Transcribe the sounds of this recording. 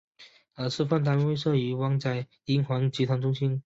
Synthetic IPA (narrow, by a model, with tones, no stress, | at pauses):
ə˧˥sʰɹ̩˥˧pʰfwnt̪ʰa˧˥nwe˥˧ʂɤ˥˩i˧˥wɑ˥ŋt͡sa˥˩ɪ | i˥nxwa˧˥ŋt͡ɕi˧˥t̪ʰa˧˥ŋʈ͡ʂʊ˥ŋɕi˥n